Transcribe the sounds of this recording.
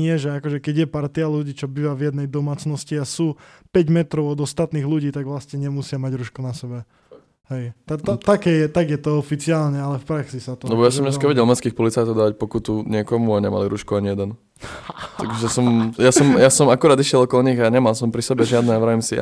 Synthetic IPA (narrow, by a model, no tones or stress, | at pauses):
ɲɪɛʒɛakɔʒɛkɛɟjɛpaɾt̪ialuɟiːt͡ʃɔbiʋavjɛd̪nɛjd̪ɔmaːt͡snɔsciasuːpɛɟmɛt̪ɾɔʊɔd̪ɔst̪at̪niːɣluɟiːt̪aɡʋlast̪ɲɛɲɛmusɪamaɟɾuːʃkunasɛbɛ | ɦɛjt̪at̪ɔt̪akɛjɛt̪aɡjɛt̪ɔɔfit͡siaːlɲɛalɛfpɾaksisat̪ɔlɛbɔjasɔmɲɛskaʋɛɟɛlˠmɛskiːxpɔlit͡sajt̪ɔʊd̪aʋac̚pɔkut̪uɲɪɛkɔmuaɲɛma̰liɾuʃkuaɲijɛd̪ɛn | t̪aɡʒɛsɔmjasɔmjasɔmakuɾaːd̪iʃjɛlˠɔkɔlɔɲiɣaɲɛmalsɔmpɾisɛbɛʒɪad̪nɛaʋɾaimsia̰